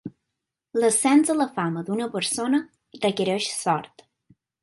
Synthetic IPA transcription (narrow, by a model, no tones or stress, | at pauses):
ləsɛnzələfaməd̪unəpəɾsonə | d̪əkəɾeʃsɔɾt̪